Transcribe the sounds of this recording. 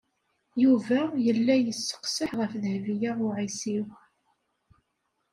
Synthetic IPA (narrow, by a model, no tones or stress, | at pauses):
juvæjəlːæjəsːə̥qsəħʁəfðhvijaʊʕisiw